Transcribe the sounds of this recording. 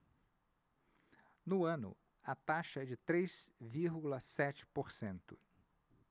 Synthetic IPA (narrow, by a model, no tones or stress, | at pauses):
nʊɐ̃nʊ̰ | ɐt̪aʃɐɛd͡ʒɪt̪ɾez̥viɾɡulɐsɛt͡ʃɪ̥poɾsẽnt̪ʊ